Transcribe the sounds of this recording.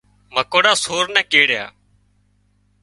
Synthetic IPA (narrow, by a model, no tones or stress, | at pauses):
məkoːɽaːsoːɾnɛ̃ːkeːɽja̰ː